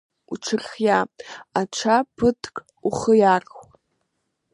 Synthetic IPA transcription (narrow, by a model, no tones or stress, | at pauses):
uʈ͡ʂʰɨrxjaaʈ͡ʂʷʰapʰɨtʰʼkʼ | uχəjaːrxʷ